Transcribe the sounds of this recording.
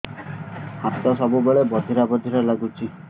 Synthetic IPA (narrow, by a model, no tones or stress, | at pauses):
hat̪ɔsɔbubeɭebɔd̪ʱiɾabɔd̪ʱiɾɔlaɡut͡ʃʰi